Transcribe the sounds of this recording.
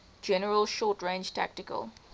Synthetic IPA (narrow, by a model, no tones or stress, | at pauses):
d͡ʒɛnəɹəlʃɔːtɹẽːnd͡ʒtʰa̰k̚tɪkə̰lˠ